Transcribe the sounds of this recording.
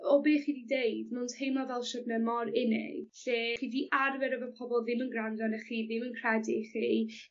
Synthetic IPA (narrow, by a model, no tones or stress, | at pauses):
ɔbeːχiːdideɨdmɪnthejmɔvɛlˠʃɔdnɛmɔɾɪnḛ̥ɬeːχiːdiʔʔarvɛɾəvəpʰɔbɔlˠðɪmənɡrandɔnəχiːðɪmənkʰr̥ɛdɪχi